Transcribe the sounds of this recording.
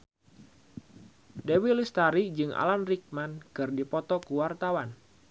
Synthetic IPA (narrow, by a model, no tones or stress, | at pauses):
dewilist̪aɾid͡ʒɨŋa̰lanrik̚mankɨrdipɔt̪ɔkuwart̪awan